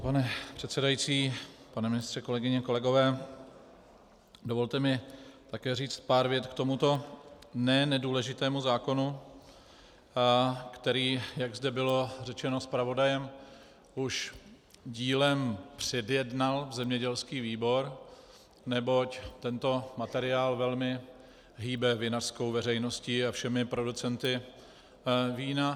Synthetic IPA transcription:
panɛpr̝̥ɛt̪sɛdajit͡siːpanɛmɪnɪst̪r̥ɛko̞lɛɡɪɲɛko̞lɛɡo̞vɛː | dovo̞lt̪ɛmɪt̪akɛːriːt͡st̪̚paːɾvjɛt̪kt̪o̞mut̪o̞nɛnɛduːlɛʒɪt̪ɛːmuzaːko̞nu | kt̪ɛɾiːjaɡzdɛbɪlo̞rɛt͡ʃɛno̞spɾavo̞dajɛm | uʃ | ɟiːlɛmpr̝̥ɛdjɛdnalvzɛmɲɛɟɛlskiːviːbo̞ɾ | nɛbo̞ct̪ɛnt̪o̞mat̪ɛɾɪaːlvɛlmɪ | ɦiːbɛvɪnar̥sko̞wvɛrɛjno̞sciafʃɛmɪpɾo̞dut͡sɛnt̪ɪ | viːna

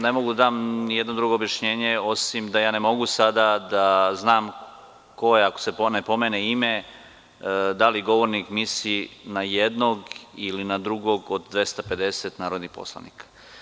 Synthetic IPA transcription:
ne̞mo̞ɡud̪ad̪aːmnijed̪no̞d̪ɾuɡo̞ːbjaʃɲe̞ːɲeo̞simd̪ajaːne̞mo̞ɡusad̪ad̪aznaːm | ko̞jeako̥se̞ponepo̞meneime | d̪aliɡo̞ʋo̞ɾnikmisinajed̪noɡilinad̪ɾuɡo̞ɡod̪d̪ʋe̞st̪ape̞d̪e̞set̪naːɾod̪nihpo̰slˠa̰nḭːkʰḁ

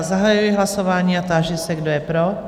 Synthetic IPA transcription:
zaɦajujɪɦlasovaːɲiːat̪aːʒɛsɛɡdojɛpɾo

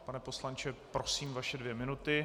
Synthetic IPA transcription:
panɛpo̞slant͡ʃɛpɾo̞siːmvaʃɛdvjɛmɪnut̪ɪ

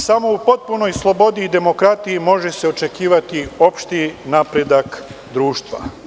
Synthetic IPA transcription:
samo̞upo̞t̪̚punojslˠo̞bo̞d̪iːd̪e̞mo̞kɾat̪ijimo̞ʒe̞se̞o̞t͡ʃe̞kiːʋat̪io̞pʃt̪inaːpɾe̞d̪ak | d̪ɾuːʃt̪ʋa̰

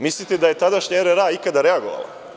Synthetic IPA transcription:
mislit̪ed̪aje̞t̪ad̪aʃɲaeɾeɾaikad̪aɾeaɡo̞ʋa̰la̰

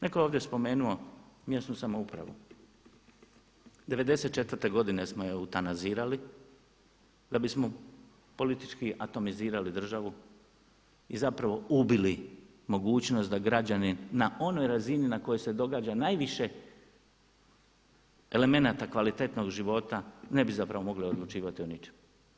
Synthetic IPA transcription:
ne̞kojoːʋd̪jespo̞me̞ːnuo̞mjesnusamo̞upɾa̰ʋṵ | d̪e̞ʋe̞d̪e̞se̞t̪̚t͡ʃe̞t̪ʋər̩t̪e̞ɡo̞d̪ine̞smojeut̪anaziːɾali | d̪abismo̞ | po̞lit̪i̥t͡ʃkiat̪o̞miziːɾalid̪r̩ʒaʋu | izapɾaʋo̞ubili | mo̞ɡuːt͡ɕnost̪d̪aɡɾad͡ʑaninaʔo̞no̞jɾazininako̞jose̞d̪o̞ɡaːd͡ʑanaːjʋiʃe̞ | ele̞me̞nat̪akʋalit̪e̞t̪no̞ɡʒiʋo̞t̪ane̞bizapɾaʋo̞mo̞ɡlio̞d̪lˠut͡ʃiːʋat̪ionit͡ʃe̥m

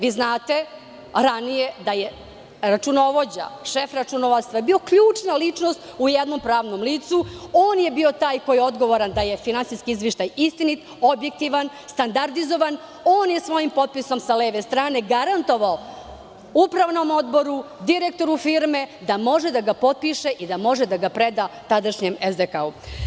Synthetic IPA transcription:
ʋiːznaːt̪e | ɾanije̞d̪aje | ɾat͡ʃuno̞ʋo̞d͡ʑa̰ʃefɾat͡ʃunoʋat̪st̪ʋajebio̞kʎuːt͡ʂnalit͡ʂnost̪ujed̪nompɾaːʋnomliːt̪suoːnje̞bio̞t̪aːjko̞jeo̞d̪ɡo̞ʋoɾand̪aje̞finant̪siskiizʋeʃt̪ajist̪init̪ | o̞bjek̚t̪iʋan | st̪and̪aɾd̪izo̞ʋan | o̞ːnjesʋo̞jimpo̞t̪̚piso̞msaleːʋest̪ɾaːne̞ɡaɾant̪o̞ʋao | upɾaʋno̞mo̞d̪bo̞ɾud̪iɾek̚t̪o̞ɾufiɾmed̪amo̞ʒed̪aɡapo̞t̪̚piʃeʔid̪amo̞ʒed̪aɡapɾed̪at̪ad̪aʃɲemezd̪ekau

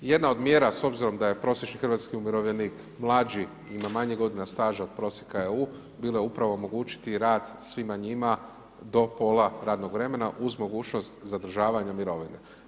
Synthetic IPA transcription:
je̞d̪nao̞d̪mje̞ːɾaso̞bziɾo̞md̪aje̞pɾo̞sje̞t͡ʃnixrʋat̪skiumjiɾo̞ʋʎeniːk | mlˠaːd͡ʒi | imamaɲeɡo̞d̪inast̪aːʒao̞d̪̥̚pɾo̞ːsjekaeu | biːlojeupɾaʋo̞omo̞ɡuːt͡ʃi̥t̪iɾaːd̪sʋimaɲima | d̪o̞po̞lˠaɾaːd̪no̞ɡʋɾe̞me̞naʔuzmo̞ɡuːt͡ʃno̞st̪zad̪r̩ʒaːʋaɲamiɾo̞ʋine

